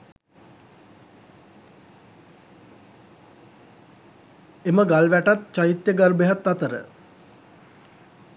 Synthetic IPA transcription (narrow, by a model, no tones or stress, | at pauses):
eməɡalʋæʈat̪t͡ʃajit̪jəɡarbeɦat̪ːat̪əɾə̰